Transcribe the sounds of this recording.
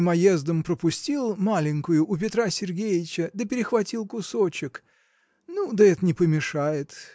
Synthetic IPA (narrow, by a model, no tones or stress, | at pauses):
mɐjezd̪əmpɾəpʊsʲtʲilˠmalʲɪŋʲkʊjʊʔːpʲɪt̪ɾasʲɪrɡʲejɪt͡ɕəd̪əpʲɪɾʲɪxvɐtʲilˠkʊsot͡ɕɪk | nud̪əɛt̪ənʲɪpəmʲɪʂajɪt̪